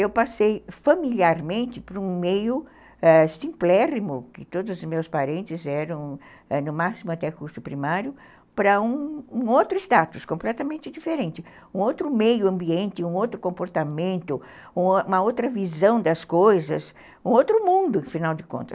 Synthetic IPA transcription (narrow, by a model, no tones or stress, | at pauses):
ewpasejfamiliaɾmẽnt̪ɪpɾũmejʊ | ɛsĩmplɛɾimʊkɪt̪od̪ʊzʊzmewspaɾẽnt̪ɪzɛɾɐ̃w̃ | ɛnʊmasimʊat̪ɛkuɾsʊpɾimaɾjʊ | pɾɐũowt̪ɾʊɪst̪at̪uskõmplɛt̪ɐmẽnt͡ʃ̪ɪd͡ʒifeɾẽnt̪ɪ | ũowt̪ɾʊmejʊɐ̃mbiẽnt̪ɪũowt̪ɾʊkõmpoɾt̪amẽnt̪ʊ | ũũmɐowt̪ɾɐvizɐ̃w̃d̪ɐskojzɐs | ũowt̪ɾʊmũnd̪ʊẽfinawd͡ʒ̪ɪkõ̰nt̪ɐ